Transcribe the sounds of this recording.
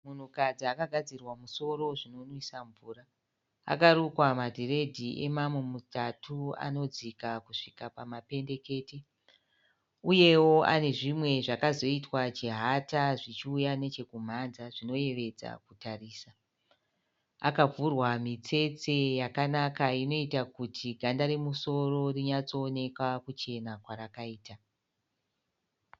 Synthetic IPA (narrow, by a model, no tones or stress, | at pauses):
mun̤ukad͡ziakaɡʱad͡zirwamuso̞ɾo̞ʐino̞nwisaɱvuːra | a̰kaɾukwamadʱire̞dʱiʔe̞̰mamwemutatʰua̰no̞d͡zikakuʂikapamape̞nde̞ke̞ːte | uje̞wo̞ʔa̰ne̞ʐimwe̞ʐakazo̞itwat͡ʃeɦataʐit͡ʃiujane̞t͡ʃe̞kum̤anzaʐino̞je̞ʋe̞d͡za̰kutariːsa | a̰kavurwamit͡se̞t͡se̞jakanakaino̞itakutʰiɡʱandaɾemuso̞ro̞riɲat͡so̞ːne̞kwakut͡ʃe̞nakwaɾakaiːta